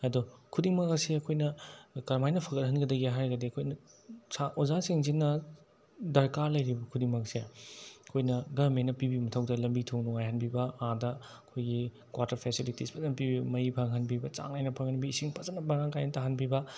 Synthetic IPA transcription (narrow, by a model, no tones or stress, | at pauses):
ɐdukʰudiŋmɐkɐseɐkʰojnɐkɐɾmajnɐpʰɐɡɐt̚hɐnɡɐdɐɡiɦajɡɐdiɐkʰojnɐsaʔozasiŋzinːɐ | dɐɾkaɾlɐjɾibɐkʰudiŋmɐkseɐkʰojnɐɡɐɾmenɐpibimɐtʰɐwdɐlɐmbitʰoŋnɔŋajɦɐnbibɐadɐɐkʰojɡi | kwaɾtɐɾpʰesilitispʰɐtɐnpibibɐmɐipʰaŋɦɐnbibɐt͡ʃa̰ŋnajnɐpʰɐŋhɐnbiːsiŋpʰɐt͡ʃɐnːɐbɐɾaŋkajnɐtaɦanbibɐ